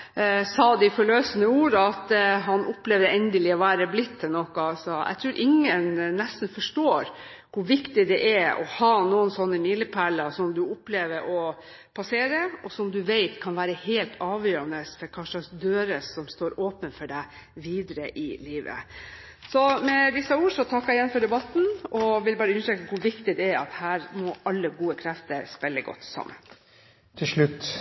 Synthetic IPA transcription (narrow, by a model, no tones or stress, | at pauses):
sɑːd̪ɪfɔɭøːsənəuːɾəɑt̪ɦɑnʔʊpleːʋd̪əɛnd̪əlɪɔʋæːɾəblɪt̪ʰːɛnɔkɑsɔæ̰t̪ʰɾʉːɾʔɪŋːənːɛst̪n̩fɔʂʈoːɾ | kʰʊʋɪkt̪ɪd̪ɛʔɛɔ̰hɑːnuːənsɔnːəmilːəpʰæɭəsɔmd̪ʉʊpleːʋəɾʔɔ | pʰɑseːɾəɔsɔmd̪ʉʋeɪt̪kʰɑnʋæːɾəheɪlt̪ʰɑːʋjøːɾɑnəsfɔɾkʰɑʂɑsd̪øːɾəsɔmst̪oːɾoːpənfɔɖæɪ | ʋiːd̪əɾəʔɪliːʋə̰ | sɔmɛʋ̪ɪsːɑuːʂɔt̪ʰɑkːɑɪjɛnfɔɖɛbɑt̪n̩ɔʋɪlbɑːɾəʉnəʂɛkəkʊɾʋɪkt̪ɪd̪ɛæɾɑt̪hæːɾmɔʔɑlːəɡuːəkʰɾɛft̪əɾspɛlːəɡɔ̰t̪ːsɑ̰mːə̰n | t̪ʰɪlʂɭʉt̪ː